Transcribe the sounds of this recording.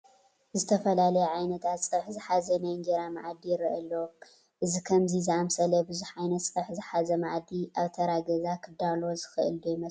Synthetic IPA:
zɨt̪ʰɐfɐlalɐjɛʕajnɐt̪ʰat̪sʼɨɾħzɨħazɐnajɨŋɡeɾamaʕd̪ijɪɾɨʔɐlːo | ʔɨzikʰɐmzizɨamsɐlɐbɨzuħʕajnɐt̪sʼɨɾħzɨħazɐmaʕd̪iʔaβt̪ʰɐɾaɡɐzakʰɨd̪alo̞zɨxɨʔɨ̰ld̪ojɪmɐ

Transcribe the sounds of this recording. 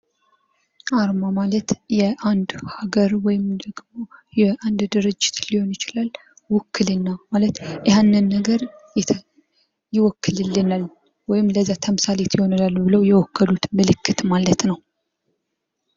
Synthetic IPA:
ʔaɾmamalət̪jɛʔand̪haɡəɾwɔjɪmd̪əɡmo̞jɛʔand̪d̪ɨɾɨd͡ʒːɪ̥t̪liho̞njɪt͡ʃɪlal | wɔkːɨlɨnːamalət̪ɪhanːɨnːəɡəɾ | jɪwɔkʰːɨlɨlːɨnal | wɔjɪmləzːat̪ʰəmɨsalet̪ʰjɪho̞nlalbɨləwjɛwɔkʰːəlut̪mɨlɨkːɨt̪malət̪nəw

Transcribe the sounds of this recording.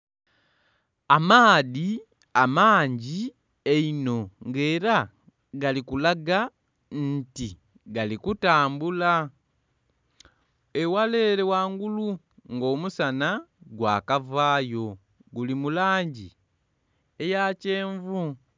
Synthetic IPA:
amaːði | amaːɲɟi | eino̞ŋɡeːɾa | ɡalikulaɡa | nti | ɡalikutaːmbula | ewale̞ːɾewaːŋɡulu | ŋɡo̞ːmusanaɡwaːkavaːjo̞ | ɡulimulaːɲɟi | e̞jace̞ːɱvu

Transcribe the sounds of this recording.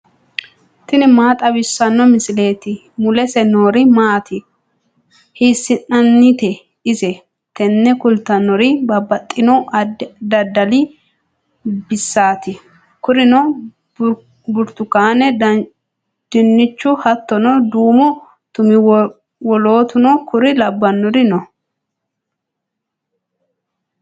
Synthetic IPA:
t̪ɪnɪmaːt̪ʼɐbɪsːɐnːɔmɪsɪle̞ːt̪ɪ | mʊlɛsɛnoːɾɪmaːt̪ɪ | hiːsːɪnnɐnːɪt̪ɛ | ɪsɛ | t̪ɛnːɛkʊlt̪ɐnːɔɾɪbɐbːɐt̪ʼːɪnɔd̪ɐd̪ɐlɪ | bɪsːaːt̪ɪ | kʊɾɪnɔ | bʊɾt̪ʊkaːnɛd | d̪̥ɪnːɪt͡ʃːʊhɐt̪ːɔnɔd̪uːmʊ | t̪ʊmɪ | wɔlo̞ːt̪ʊnɔkʊɾɪlɐbːɐnːɔɾɪnɔ

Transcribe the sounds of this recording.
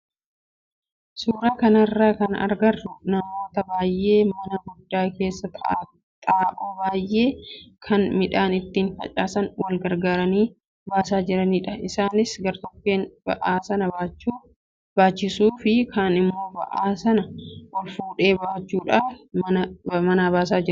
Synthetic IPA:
suːɾaːkɐnɐrːaːkɐnɐ̰ɾɡɐrːʊnɐmo̞ːt̪ɐbaːjʔːe̞ːmɐnɐɡʊd̪ːaːke̞ːsːɐt̪ː | t̪ʼaːʔoːbaːjːe̞ːkʰɐnmɪᶑaːnɪt̪ːiːnfɐ̰t͡ʃʼaːsɐnwɐlɡɐɾɡaːɾɐniː | baːsaːd͡ʒɪɾɐniːᶑɐɪsaːnɪsɡɐɾt̪ɔkːeːnb̥ɐ̰ʔaːsɐnɐbaːt͡ʃːuː | b̥aːt͡ʃːɪsuːfɪkʰaːnɪmːo̞ːbɐ̰ʔaːsɐnɐʔɔlfuːᶑe̞ːbaːt͡ʃːuːᶑaːfmɐɐmɐnaːbaːsaːd͡ʒɪɾɐ

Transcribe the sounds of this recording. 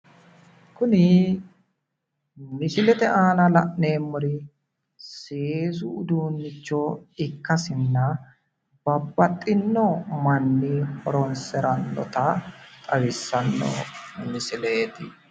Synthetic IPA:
kʊnɪ | mɪsɪlɛt̪ɛʔaːlɐlɐʔne̞ːmːʊɾɪ | seːsʊʊd̪uːnːɪt͡ʃːɔɪkːɐsɪnːɐ | b̥ɐbːɐt̪ʼːɪnːɔmɐnːɪhɔɾɔnsɛɾɐnːɔ̰t̪ɐt̪ʼɐwɪsːɐnːɔ̰mɪsɪleːt̪ɪ

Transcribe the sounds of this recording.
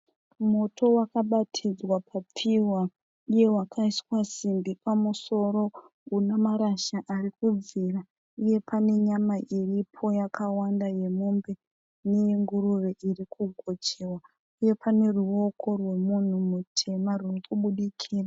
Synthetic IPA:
mo̞tʰo̞wakaɓatʰid͡zwapʰap͡fiwa | uje̞wakʰaiswasimbipamuso̞ɾo̞ | unamaɾaʃaʔarikub͡vira | uje̞pʰane̞ɲamaʔiripʰo̞jakawandaje̞mumbe | ne̞ŋɡuɾuʋe̞ʔirikʰuɡʱo̞t͡ʃewa | uje̞pʰane̞ruo̞kʰo̞rwe̞mun̤umutʰe̞marurikuɓuɗikʰiːra

